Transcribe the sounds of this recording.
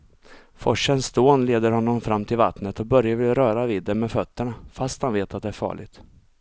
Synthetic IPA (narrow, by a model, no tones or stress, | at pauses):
fɔʂənsd̪oːnleːd̪əɾhɔnːɔmfɾamːt̪ʰɪlva̰t̪nət̪ɔbœɾjavɪlɾœːɾaviːd̪ːɛmmːɛfœt̪ːəɳafast̪hanveːt̪at̪̚d̪ɛæɾfɑ̰ːɭɪ̰ɡt̪